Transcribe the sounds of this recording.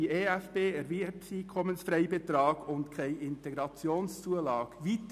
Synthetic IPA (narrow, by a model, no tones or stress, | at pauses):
ieːæfpeːɛɾvipsiːkʰɔmənsfɾɛɪbet̪ɾɑːɡʊndkʰæɪɪnt̪ɛɡɾɑt͡sjoːnst͡suəlɑːɡ̥ʋiːt̪